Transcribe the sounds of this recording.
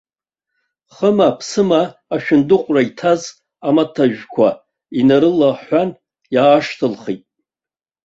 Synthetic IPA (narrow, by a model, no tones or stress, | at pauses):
χəmapʰsɨmaːʃᶣɪndɨqʷʼraitʰaz | amatʰaʒᶣkʷʰa | inaɾɨlaħʷan | jaːʂtʰɨlχitʼ